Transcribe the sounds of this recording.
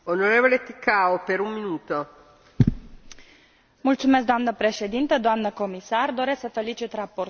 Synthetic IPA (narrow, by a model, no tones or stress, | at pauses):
onoɾevolet̪ikaopeɾummːinuːt̪o | mult̪sumesk̚d̪oamnəpɾe̞ʃe̞d̪int̪əd̪oamnəko̞misard̪o̞ɾe̞sksəfe̞lit͡ʃit̪rapo̞r